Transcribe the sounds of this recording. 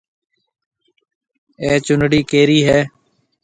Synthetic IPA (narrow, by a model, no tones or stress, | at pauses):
eːt͡ʃʊnɽiːkeːɾiːɦɛː